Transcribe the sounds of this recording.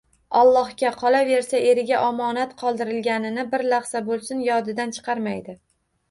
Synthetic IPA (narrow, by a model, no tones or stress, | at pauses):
ɒlˠːɒhɡʲaqʰɒlave̞ɾsae̞ɾɪɡʲaʔɒmɒnat̪qʰɒlˠd̪ɪɾɪlɡʲanɪnɪbɪɾlɑχsabolˠsɪnjɒd̪ɪd̪ant͡ʃʰɨ̥qʰɑɾmajd̪ɪ